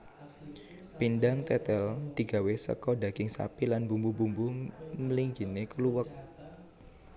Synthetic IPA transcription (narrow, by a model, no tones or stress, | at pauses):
pindaŋt̪ɛt̪ɛld̪̥i̤ɡ̥a̤wesə̰kɔɖä̤ɡ̥ɪŋsa̰pilanbumbubumbuməliŋɡ̥i̤nekəluwək̚